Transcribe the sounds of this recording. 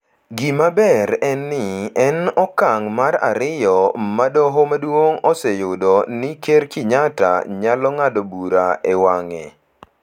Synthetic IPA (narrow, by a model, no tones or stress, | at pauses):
ɡimabɛɾɛnːɪɛnɔkaŋmaɾa̰ɾɪjɔmadɔɦɔmadwoŋɔsɛjʊdonɪkerkɪɲata̰ɲalɔŋadobuɾaewaŋɛ̰